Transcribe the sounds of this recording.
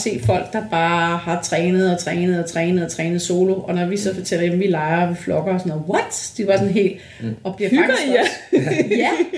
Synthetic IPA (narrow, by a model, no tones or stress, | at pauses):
se̝̰̥ːfɒ̽l̰ɡ̥̚d̥ɑ̈b̥ɑ̈ːhɑ̈t͡sʰʁɛːnð̞̩ˠɒ̽t͡sʰʁɛːnəð̞̩ˠɒt͡sʰʁɛːnəð̩ˠɒt͡sʰʁɛːnð̩ˠso̝ːlo̝ʔɒ̽nɒʋisɒ̽fɒ̽t͡sʰel̰ɐjemʋilɑ̈ɪɐʋiflɒ̽ɡ̥ɐɒsɒ̽noʋɒd̥d̥iʋɑ̈sɔ̽nɦe̝̰ːld̥ | ɒ̽b̥liɐfʰɑɡ | æ